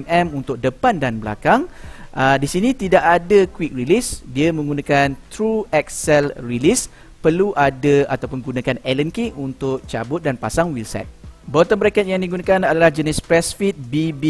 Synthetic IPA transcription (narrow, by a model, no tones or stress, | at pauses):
nɛmunt̪ʊk̚dəpandanbəla̰kaŋʔədisinĩt̪idaʔadakwik̚rilisdiamə̃ŋɡunãkant̪ɾuɛk̚sɛlrilis | pərluʔadaa̰t̪awpʊnɡunãkanɛlənkiŋunt̪ʊk̚t͡ʃabʊt̪̚danpasaŋwilsɛ̰t̪̚bɔt̪ənmbɾakɛt̪̚jaŋdiɡunãkanadalahd͡ʒənɪspɾɛsfit̪̚bib